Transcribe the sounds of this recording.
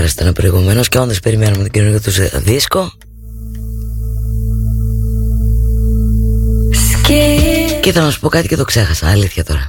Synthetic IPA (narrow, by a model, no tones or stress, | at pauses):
ɾɐst̪enɐpɾo̞iɣume̞no̞sceonðespe̞ɾimenumet̪oɟinonikot̪usðisko̞ | ssceciθɐlɐnɐsu̥po̞kɐt̪i̥ce̞t̪o̞kse̞xɐsɐɐliθçɐt̪o̞ɾɐ